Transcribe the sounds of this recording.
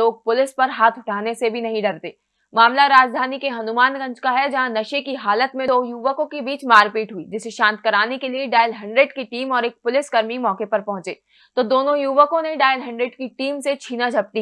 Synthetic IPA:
oːɡ̚pʊlɪspɐɾɦaːt̪ʰʊʈʰaːnesebʱinɐɦĩɖɐɾt̪eː | maːmlaɾaːd͡ʒd̪ʱaːnikeɦɐnʊmaːnkɐ̃ɲt͡ʃkaɦɛd͡ʒɐɦãnɐʃekiɦaːlət̪mẽd̪oːjuʋəkõkebiːt͡ʃmaːɾpiːʈɦʊḭːd͡ʒɪseʃãːnt̪kɐɾaːnekelieɖaːjəlɦɐ̃ɳɖɾeːɖkiʈiːmɔːɾeːk̚pʊlɪskɐɾmimɔːkepɐɾpɐɦʊ̃t͡ʃeː | t̪oːd̪oːnõjuʋəkõnẽɖaːjəlɦɐ̃ɳɖɾeɖkiʈiːmset͡ʃʰiːnad͡ʒʱɐp̚t̪i

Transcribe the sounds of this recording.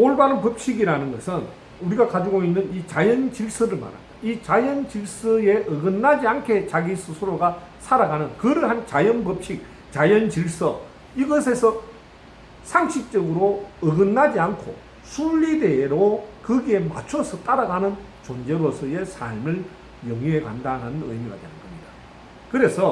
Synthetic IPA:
oɭbanɯnpʌp̚ɕ͈iɡiɾanɯnɡʌsʰɯn | uɾiɡakad͡ʑiɡoinːɯnit͡ɕajʌnt͡ɕiɭs͈ɯɾɯɭma̰nɦa̰nd̥ait͡ɕajʌnt͡ɕiɭs͈ɯe̞ʔɯɡɯnːad͡ʑiankʰe̞t͡ɕaɡisʰusʰɯɾoɡa | sʰaɾaɡanɯnkɯɾɯɭɦant͡ɕajʌnpʌp̚ɕ͈ik̚ | t͡ɕajʌnt͡ɕiɭs͈ʌ | iɡʌsʰe̞sʰʌ | sʰaŋɕʰik̚t͡ɕ͈ʌɡɯɾoɯɡɯnːad͡ʑiankʰo̰ | sʰuʎːideɾokɯɡema̰t͡ɕʰosʰʌt͈aɾaɡanɯn | t͡ɕond͡ʑe̞ɾosʰɯje̞sʰa̰ɭmɯɭ | jʌŋiɦeɡa̰ndananɯnɯ̰jmiɡa̰deanɯnɡʌmɲida | kɯɾe̞sʰʌ

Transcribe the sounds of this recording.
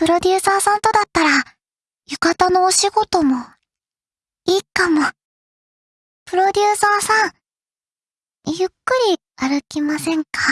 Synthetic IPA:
pɯ̟ɾo̞d̪ʲɯːsaːsãnt̪o̞d̪at̪ːaɾa | jɯ̟kat̪ano̞ːɕiɡo̞t̪o̞mo̞ | iːkamo̞ | pɯ̟ɾo̞d̪ʲɨːsaːsãŋ | jɯ̟kːɯ̟ɾʲi | aɾɯ̟kʲimasẽ̞ŋkḁ

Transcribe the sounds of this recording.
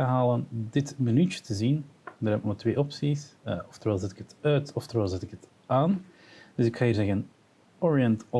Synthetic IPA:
əɦaːləndɪtmənytə̥tʰəzindəɾɛpmətweːʔɔpsisəɔft̪əɾʋɛːlˠzɛtɪ̥kɦətœɥtɔftəɾʋɛːlˠzɛtɪkət | ʔaːn | d̥ɵsɪkxaiːrzɛɣən | ɔɹiəntɔ

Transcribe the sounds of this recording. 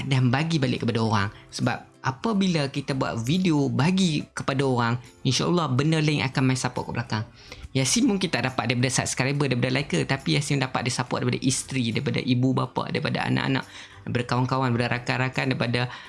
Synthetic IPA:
danbaɡibalɪ̰ʔkəpadaoɾaŋsəba̰p̚ʔapabilakit̪abua̰t̪̚videobaɡikə̥padaoɾaŋinʃa̰ʔɔ̰lːɔhbənərlaiŋʔa̰kanmaĩsapɔ̰kəʔbəlakaŋ | jasimmuŋkint̪aʔdapat̪̚daɾipadasaa̰t̪̚sə̥kɾabədaɾip̬adalaikət̪apijasimdapat̪̚daisapʊʔdaɾipada̰ʔist̪ɾidaɾipada̰ʔibubapa̰da̰ɾipada̰a̰na̰ʔa̰nã̰ʔ̚ | daɾipadakawaŋkawandipadaɾʔakanɾakandaɾipada

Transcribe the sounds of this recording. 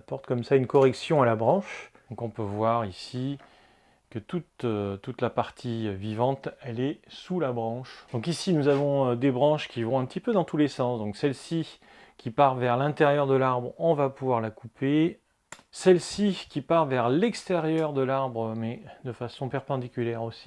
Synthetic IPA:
pɔʁt̪kɔmsaynkɔʁɛksjɔ̃alabʁɑ̃ʃd̪ɔ̃kɔ̃pøvwaʁisi | kət̪ut̪øt̪ut̪lapaʁt̪ʰivivɑ̃t̪ɛlɛsulabʁɑ̃ʃd̪̥ɔ̃kisinuzavɔ̃ød̪ebʁɑ̃ʃkʲivɔ̃ɛ̃pət̪ipød̪ɑ̃t̪ʰulesɑ̃sd̪ɔ̃ksɛlsi | kʲipaʁvɛʁlɛ̃t̪eʁjœʁd̪əlaʁbʁɔ̃vapuvwaʁlakupe | sɛlsikʲipaʁvɛʁlɛkst̪eʁjœʁd̪əlaʁbʁəmɛd̪əfasɔ̃pɛʁpɑ̃d̪ikʲyljɛʁosi̥

